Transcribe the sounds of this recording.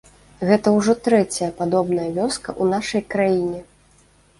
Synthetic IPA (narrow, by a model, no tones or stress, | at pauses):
ɣɛt̪ɐwʐɔt̪ɾɛt͡sʲɐjɐpad̪ɔbn̪ɐjɐvʲɔskɐʔunaʂɐjkɾajinʲɛ